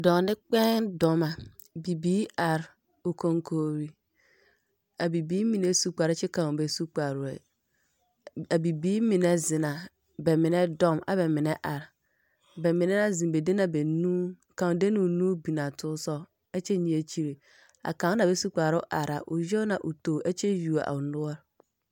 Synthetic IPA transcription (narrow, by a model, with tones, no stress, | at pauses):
dɔ̃˨ŋ˨nɪ˦k͡pɛ̃˦ndɔ̃˨ma˨ | bi˨biː˨˦a˨ɾ | o˨kʰõ˨ŋkʰo˨ɾi˨ | a˨bi˨biː˦mĩ˨ne˦su˦k͡pa˨ɾɪ˦t͡ʃɪ˦kã˨be˨su˦k͡pa˨ɾɛ̰˨ | a˨bi˨biː˦mĩ˨ne˨zɪ̃˨nã˨ | bɛ˨mɪ̃˨nɛ̃˦dɔ̃˦ma̰˨bɛ˨mɪ̃˨nɛ̃˦ʔa˨ɾ | bɛ˨mɪ̃˨nɛ̃˦nã˦zĩ˨be˨de˦nã˨be˨nũː˦˨ | kʰã˨de˦nũ˨nũː˦bi˨nã˨tʰʊ˦sɔ˦ | ɛ˦t͡ɕʰɛ˦ɲĩ˨˦e˨t͡ɕʰi˦ɾe˨ | a̰˨kã˨˦nã˨be˦su˦k͡pa˨ɾʊ˦ʔa˨ɾa˨ʔʊ˨jɛ˦nã˨ʔʊ˨to˨ʔɛ˦t͡ɕʰɛ˦ju˨a̰˨ʔa̰˨ʊ˨nʊ˦ɔ˦ɾ